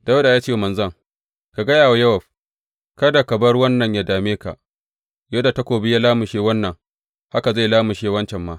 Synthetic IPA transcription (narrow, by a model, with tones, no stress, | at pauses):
da˦wda˨jaː˦t͡ʃeː˦˨mɐ˨nzɐ˦ŋ | ka˨ɡɐ˦jaː˨wa˦jɐ˦wɐ˨ɸ | kɐ˦da˨kɐ˨bɐ˦rwɐ˦nːɐ˨ɲja˦daː˨meː˦ka̰˨ | jo˦da˨ta˦kʷoː˨bi˦ja˦laː˦mʊ˨ʃeː˦wɐ˦nːɐ˨ŋ | ha˦ka˨za˦˨laː˦mʊ˨ʃeː˦wɐ˦nt͡ʃɛ˨mːaː˦